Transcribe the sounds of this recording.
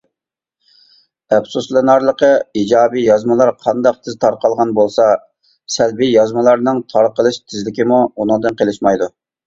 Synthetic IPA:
ɛbsuslˠɨnɑɾlˠəqəid͡ʒɑːbijɑzmɨlˠɑɾqʰɑnd̪ɑq̚t̪ʰɪzt̪ʰɑɾqɑlˠʁɑnbolˠsɑ | sɛlbijɑzmɨlˠɑɾnɨŋt̪ʰɑɾqəlˠɨʃt̪ʰɪzlɪkʲimuunɨŋd̪ɨnqʰelˠɪʃmɑjd̪u

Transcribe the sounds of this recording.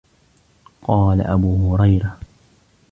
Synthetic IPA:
qɑːla̰ʔabuːhʊɾajɾa

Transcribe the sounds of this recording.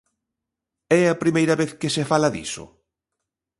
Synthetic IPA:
ɛɐpɾimejɾɐβeθkɪsefalɐðḭsʊ̰

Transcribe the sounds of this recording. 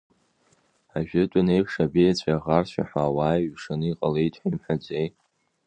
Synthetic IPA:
aʒᶣɪtʼʊnejpʰʂabejat͡ɕʷʰʼaʁarɕʷa̰ħʷaːwaːjɥʂɨniqʼalejtʰʼħʷaimħad͡zʷejt

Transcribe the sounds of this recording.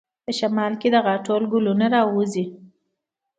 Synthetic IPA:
pəʃamɑlked̪əɣaʈolɡulunaɾɑwuzi

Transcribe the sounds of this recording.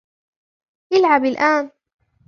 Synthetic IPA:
ʔɪlʕabalʔaːn

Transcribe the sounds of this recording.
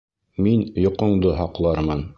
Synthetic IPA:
minjŏqŏɴd̪ɤɦɑqlˠɑɾmɤn

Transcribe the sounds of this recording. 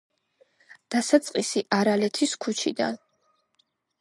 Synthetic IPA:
d̪̥asat̪sʼqʼisiʔaɾalɛt̪ʰiskʰut͡ʃʰḭd̪a̰n

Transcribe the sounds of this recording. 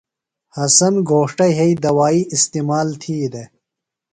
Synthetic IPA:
hɐsɐnɡoːʂʈɐjɦeid̪ɐwaːiist̪iːmaːlt̪ʰiːd̪e

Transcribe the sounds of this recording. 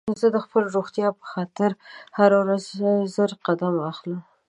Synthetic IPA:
zəd̪əxpəlɾoɣt̪jɑpə̥xɑt̪ɪɾhaɾawɾazzəɾqad̪amaxlə

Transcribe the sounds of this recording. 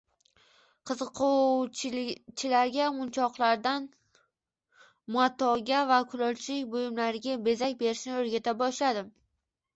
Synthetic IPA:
qʰɨzɨqʰo | t͡ʃʰɪlaɾɡʲamʊnt͡ʃʰɒqlˠaɾd̪an | mʊat̪ʰɒɡʲavakʰʊlˠɒlt͡ʃʰɪkʲbojɪmlaɾɪɡʲabe̞zakʲbe̞ɾɪʃnɪɵɾɡʲat̪ʰabɒʃlad̪ɪm

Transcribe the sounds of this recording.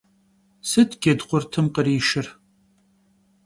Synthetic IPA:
sɨtʰɡʲɐdqʷʊrtʰɨmqəriːʃɪr

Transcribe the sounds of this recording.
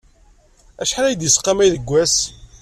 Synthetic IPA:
æʃħaɾæjd̪jəsqːɑmæjðəɡʷːæs

